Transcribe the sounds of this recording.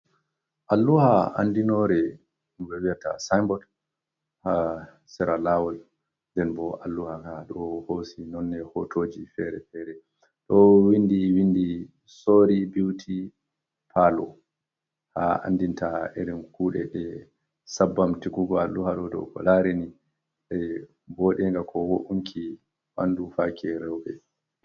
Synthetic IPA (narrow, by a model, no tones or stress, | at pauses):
ʔalːuhaa̰ndinɔɾɛ | umbɛwiata̰sajmbɔd | ha | sɛɾalawɔl | ndɛnbɔalːuhakaɗɔhosinɔnːɛhɔtʰod͡ʒifɛɾɛ̰fɛɾɛ | ɗɔwindiwindi | soɾibiwtʰi | pʰalɔ | ha̰a̰ndintaɛɗɛnkuːɗɛ̰ɗɛ | sabːamtikuɡɔalːuhaɗɔdɔ̰wkɔ̰laɾɛni | ɗɛ | bɔːɗɛŋɡakʰɔwoʔuŋkʰi | wa̰ndufakʰɛɾɛwbɛ